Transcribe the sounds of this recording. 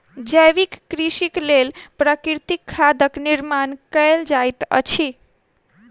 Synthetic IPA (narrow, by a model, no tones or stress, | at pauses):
d͡ʒəjʋikːɾiʃiklelpɾəkiɾt̪ikʰːad̪əkniɾmankəjld͡ʒajt̪ə̰t͡ʃʰi